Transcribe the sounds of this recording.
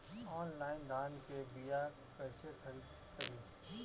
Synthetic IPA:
ɔːnlaːɪnd̪ʱaːnkebija | kɐɦsekʰɐɾiːd̪ | kəɾiː

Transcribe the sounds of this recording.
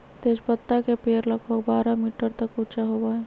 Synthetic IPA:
t̪eːʃpət̪ːakepeːɾlɐkʰbəkbaːɾamiːʈəɾt̪ɐkʊt͡ʃaɦobaːe

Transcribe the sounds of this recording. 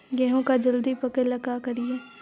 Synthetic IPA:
ɡɛːɦõkad͡ʒɐld̪ipɐkəɾlɐkakɐɾieː

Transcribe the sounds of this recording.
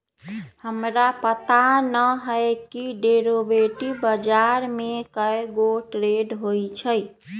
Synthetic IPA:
həmɾapət̪anəɦəɪkiɖeɾobeʈibəd͡ʒaɾmekəeɡoʈɾeɖɦojt͡ʃʰə

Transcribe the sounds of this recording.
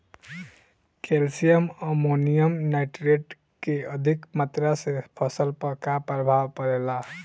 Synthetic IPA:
kelsijəməmonijəmnaɪʈɾeɖ | keəd̪ʱikmat̪ɾasepʰəsəlpəkapɾəbʱabpəɾela

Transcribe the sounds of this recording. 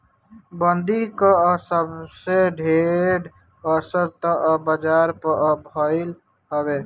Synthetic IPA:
bənd̪ikəsəbseɖʱeɖ | əsəɾt̪əʔbəd͡ʒaɾpəʔbʱəɪl | həbe

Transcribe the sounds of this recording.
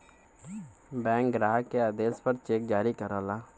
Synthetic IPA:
bɛ̃ːŋkɡɾaːɦkeaːd̪eːspəɾt͡ʃeːk̚d͡ʒaːɾikəɾalaː

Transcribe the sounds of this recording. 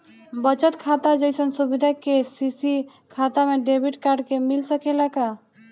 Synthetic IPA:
bət͡ʃət̪kʰat̪ad͡ʒɔjsənsubid̪ʱakesisi | kʰat̪ameɖebiʈkaɾɖkemilsəkʰelaka

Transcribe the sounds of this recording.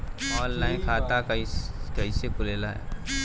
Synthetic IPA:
ɔːllaːɪnkʰaːt̪akɐikɐisekʊleːlaɦɛ̰ː

